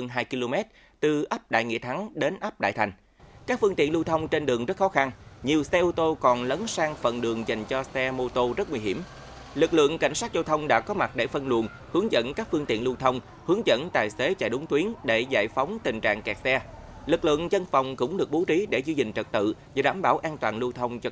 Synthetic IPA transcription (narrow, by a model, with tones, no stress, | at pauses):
ə˧nɦaː˧jki˧lo˧mɛ˦˥t̚ | t̪ɨ˨˩ʔə˦˥p̚ɗa̰ː˧˨jŋḭ˧˨ət̪ʰa˨˦ŋɗe˨˦nʔə˦˥p̚ɗa̰ː˧˨jt̪ʰa˨˩jŋ̟ | kaː˦˥k̚fɨ˧ŋt̪ḭ˧˨ənlu˧wt̪ʰə˧wŋ͡mt͡ɕe˧nɗɨ˨˩əŋzə˦˥t̚xɔ˨˦xa˧nɲi˨˩əwsɛ˧ʔu˧t̪o˧kɔ˨˩nlə˨˦nsaː˧ŋfə̰˨˩nɗɨ˨˩əŋza˨˩jŋ̟t͡ɕɔ˧sɛ˧mo˧t̪o˧zə˦˥t̚wi˧ɦi˧˩əm | lɨ˨˩k̚lɨ̰˧˨əŋka̰˧˩jŋ̟saː˦˥t̚za˧wt̪ʰə˧wŋ͡mɗa̰ː˧˥kɔ˨˦ma˨˩t̚ɗe˧˩fə˧nlṵ˧˩ən | hɨ˨˦əŋzə̰˧˨nkaː˦˥k̚fɨ˧əŋt̪ḭ˧˨ənlu˧wt̪ʰə˧wŋ͡m | hɨ˨˦əŋzə̰˧˥nt̪aː˨˩jse˨˦t͡ɕa̰ː˧˨jɗʊ˨˦ŋ͡mt̪wi˨˦ənɗe˧˩za̰ː˧˨jfa˨˦wŋ͡mt̪ï˨˩ŋ̟t͡ɕa̰ː˧˨ŋkɛ˨˩k̚sɛ˧ | lɨ˨˩k̚lɨ̰˧˨əŋzə˧nfa˨˩wŋ͡mkʊ̰˧˥ŋ͡mɗɨ˨˩ək̚ɓo˨˦t͡ɕi˨˦ɗe˧˩zi˧t͡ɕï˨˩ŋ̟t͡ɕə˨˩t̚t̪ɨ̰˧˨za˨˩ɗa̰ː˧˩mɓaː˧˩wʔaː˧nt̪waː˨˩nlu˧t̪ʰə˧wŋ͡mt͡ɕɔ˧